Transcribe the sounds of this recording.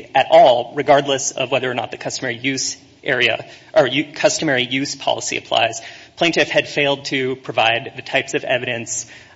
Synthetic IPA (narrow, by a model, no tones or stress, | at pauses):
ɨɾʔɔlˠɹɨɡɑɹdˡləsʌ̰vwɛðə˞ːnə̰t̪̚ðɨkʰʌstəmɛɹijʉz | ʔɛɹiɨ̰ʔə˞jʉkʰʌstɨmɛɹijʉz̥pʰɑ̰lˠəsḭɨ̰pʰl̥a̰ɪz̥pʰl̥ẽɪ̃ntɨfhɨd̥feɪlˠd̚tʰɨpʰɹ̥ɨvaɪd̪̚ðɨtʰaɪpsʌvɛ̰vɨɾɨ̃ns